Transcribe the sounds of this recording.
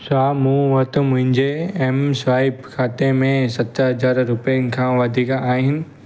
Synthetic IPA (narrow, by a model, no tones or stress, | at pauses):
saːmũːʋɐt̪ʊ̆mʊ̃ɦɪ̃ɲd͡ʑeɛːmsʋaːɪbkʰaːt̪emẽsɐt̪əɦɐzaːɾɾʊpɛjənɪ̆kʰãːʋɐd̪ʱiːkaaːɦɪnɪ̆